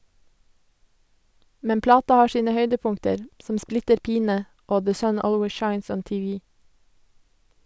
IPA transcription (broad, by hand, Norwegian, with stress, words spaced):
ˈmɛn ˈplɑːtɑ ˈhɑː ˈʃiːnə ˈhœʏdəˌpʊŋtəɾ ˈsɔm ˈsplɪtəɾ ˈpiːnə ˈoː ðə ˈsœn ˈoːlweɪ ˈʃɑɪns ˈɔn tɪˈʋiː